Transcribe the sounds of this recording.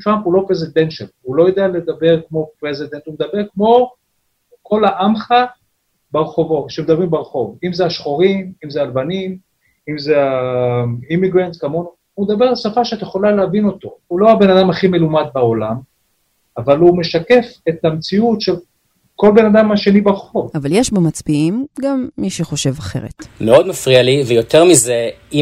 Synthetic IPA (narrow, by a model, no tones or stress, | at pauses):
tʁampulo̞pʁezid̪enʃelulo̞jod̪eale̞d̪abe̞ʁkmo̞pʁezid̪e̞nt̪humed̪abe̞ʁkmo̞ | ko̞laʔamχa | beʁeχo̞vo̞ʃemed̪abʁimbeʁeχo̞vimzeaʃχo̞ʁimimzealbanim | imzea | imiɡʁant̪kamo̞nu | umed̪abe̞ʁalsafaʃeat̪jeχo̞laleavino̞t̪o̞ulo̞abe̞nadamaχime̞lumad̪̚bao̞lam | avalume̞ʃake̞fe̞t̪amt͡siutʃel | ko̞lbe̞nad̪amhaʃe̞nibeʁχo̞vavaljeʃbamat͡sbiimɡamːiʃeχo̞ʃe̞vaχe̞̰ʁḛt̪meod̪mafʁialivejot̪ʰeʁmizei